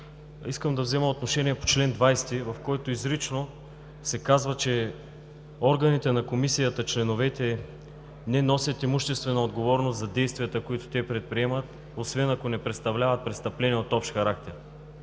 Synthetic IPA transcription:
iskəmd̪ɐvzɛmɐot̪noʃɛniɛpo̥t͡ʃlɛnd̪vajst̪ivɐfkɔjt̪oizɾit͡ʃno | sɛkazvɐt͡ʃɛ | ɔɾɡɐnit̪ɛnɐkomisijət̪ət͡ʃlɛnovɛt̪ɛ | nɛnɔsʲjət̪imuʃt̪ɛst̪vɛnɐod̪ɡovɔɾnost̪zɐd̪ɛjst̪vijət̪əkoit̪o̥t̪ɛpɾɛt̪̚pɾiɛmət̪ | osvɛnɐkonɛpɾɛt̪st̪ɐvlʲavɐt̪̚pɾɛt̪st̪ɐplɛniɛot̪ɔpʃxɐɾakt̪ɛɾ

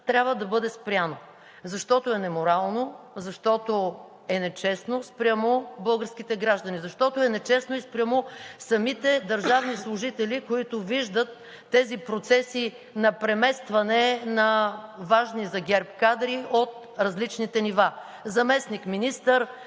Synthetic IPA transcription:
t̪ɾʲjabvəd̪ɐbɤd̪ɛspɾʲjano | zɐʃt̪ɔt̪oɛnɛmoɾalˠno | zɐʃt̪ɔt̪o | ɛnɛt͡ʃɛsnospɾʲamobɤlˠɡəɾsk̟it̪ɛɡɾaʒd̪ɐnizɐʃt̪ɔt̪oɛnɛt͡ʃɛsnoispɾʲamosɐmit̪ɛd̪ɐɾʒavnislˠʊʒit̪ɛlʲikoit̪ʊviʒd̪ət̪ː | ɛzipɾot̪sɛsi | nɐpɾɛmɛst̪vɐnɛnɐvaʒnizɐɡʲɛɾpkad̪ɾiot̪̚ | ɾɐzlit͡ʃnit̪ɛniva | zɐmɛsnikminist̪əɾ

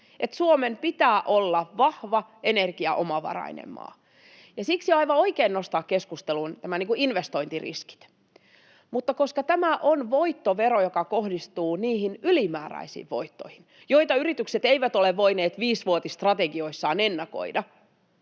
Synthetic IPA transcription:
et̪suomempit̪æːʔolːɑʋɑhʋɑenerɡ̥iɑʔomɑʋɑ̰rɑ̰inḛmːˑɑ̰ː | jɑsiksiɑiʋɑoikeːnːost̪ɑːkkeskust̪elunt̪æmæniːŋkuinʋest̪oint̪irḭski̥t̪ | mut̪ːɑkoskɑt̪æmæʔonʋoit̪ːoʋeɾojokɑkohdist̪uːniːhinylimæːræ̰isḭːʋʋo̰it̪ːoihin | joit̪ɑyɾit̪ykset̪eiʋæt̪oleʋʋoineːt̪ʋiːsʋuot̪ist̪rɑt̪eɡioisːɑːnenːɑko̰idɑ

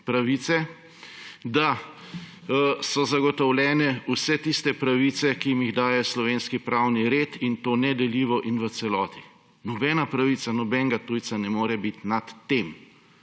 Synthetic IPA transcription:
pɾaʋit̪sɛ | d̪a | sɔzaɡɔt̪ɔwlʲɛːnɛusɛt̪ist̪ɛpɾaʋiːt̪sɛkijimjiɣd̪aːjɛslɔʋeːnskipɾaːwniɾeːt̪int̪oːnɛd̪ɛliːʋɔʔinʋət̪sɛlɔːt̪i̥ | nɔbɛːnapɾaʋiːt̪sanɔbɛŋɡat̪uːj̪sanɛmoːɾɛbit̪nat̪ːem

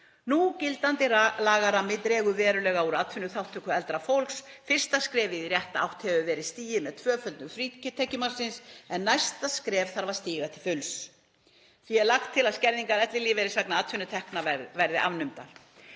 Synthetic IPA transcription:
nucɪlt̪ant̪ɪlaːɣaɾamɪt̪ɾɛːɣʏvɛːɾʏlɛːɣauɾat̪ʰfʏnːʏθawht̪ʰːʏkʏɛlt̪ɾafowlksfɪr̥st̪askɾɛːvɪðirjɛht̪aa̰wht̪hɛvʏvɛːɾɪðst̪iːjɪmɛðt̪ʰvœːfœlt̪nʏfɾiːcɪt̪ʰɛhcʏmansɪnsɛnːajst̪askɾɛːvθaɾvaɾ̥st̪iːɣat̪ʰɪlfʏls | θiɛɾlaxt̪ʰːɪlaðscɛɾðiŋkaɾɛt̪lɪliːvɛɾɪsvaknaaːt̪ʰfʏnʏt̪ʰɛhknavvɛɾðɪʔa̰vnʏmt̪a̰l

